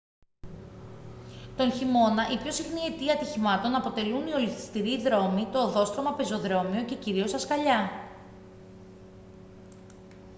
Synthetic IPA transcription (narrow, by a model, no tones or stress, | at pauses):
t̪onçimo̞nɐʔipço̞sixniet̪iɐɐt̪içimɐt̪o̞nɐpo̞t̪e̞lunio̞liθi̥st̪iɾiðɾo̞mit̪o̞ːðo̞st̪ɾo̞mɐpe̞zo̞ðɾo̞mio̞ce̞ciɾio̞sɐskɐʎɐ